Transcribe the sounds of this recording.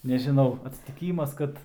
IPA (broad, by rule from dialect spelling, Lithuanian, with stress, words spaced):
nʲɛʒʲɪˈnɐʊ ɐtʲsʲɪtʲɪˈkʲiːmɐs ˈkɐt